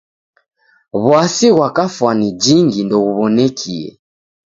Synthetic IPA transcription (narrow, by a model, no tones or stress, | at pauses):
βwasiɣwakafwanid͡ʒiŋɡindɔɣuβɔnɛkʰiɛ̰